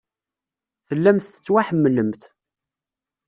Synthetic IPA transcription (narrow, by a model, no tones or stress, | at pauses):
θəlːæmθə̥t͡sːwaħəmːələmθ